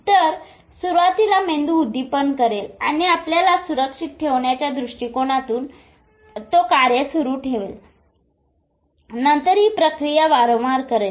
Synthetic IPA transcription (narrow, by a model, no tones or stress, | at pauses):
t̪əɾ | suɾʋat̪ilamend̪uːd̪ʱːipənkəɾelañiapljalasuɾəkʂit̪̚ʈʰeʋɳjat͡ɕjad̪ɾuʂʈikoɽ̃at̪uːn | t̪okaɾjəsuɾuːʈʰeʋḛl | nənt̪əɾiːpɾəkɾijaʋaɾomaɾkəɾel